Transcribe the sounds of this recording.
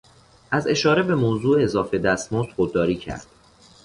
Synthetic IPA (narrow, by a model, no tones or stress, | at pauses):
ʔæze̞ʃɒːɾe̞be̞moːzuːezɒːfe̞d̪æst̪most̪xod̪̚ːɒːɾiːcʰæ̰ɾd̪̥